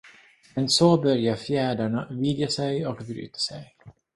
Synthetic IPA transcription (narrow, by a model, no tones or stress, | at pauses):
mɛnsobœɾjaɾfjæːɖaɳavɪd̪jasɛjɔkbɾy̰ːt̪ʰḁsɛj